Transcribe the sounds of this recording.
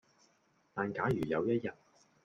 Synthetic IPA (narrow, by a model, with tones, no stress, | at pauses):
t̪aː˨nkaː˨˥jyː˨˩jɐ˨˧wjɐ˥t̚jɐ˨t̚